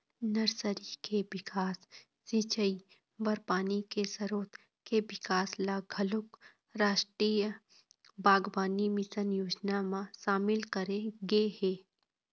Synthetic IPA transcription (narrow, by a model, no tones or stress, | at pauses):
nɐɾsəɾikebɪkʰaːsː | it͡ʃəi | bɐɾpaːnikesɐɾoːt̪ | kebɪkaːslaːɡʱəlʊk | ɾaːʃʈɾiːjə | baːɡbaːnimɪsənjoːd͡ʒnamãʃaːmɪlkəɾeɡeheː